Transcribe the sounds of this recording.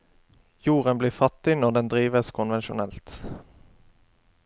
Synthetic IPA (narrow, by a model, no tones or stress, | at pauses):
juːʁənbliːfɑt̪ːɪnɔʁd̪ɛnd̪ʁiːʋəskʰʊnʋɛnʃʊnɛlt̪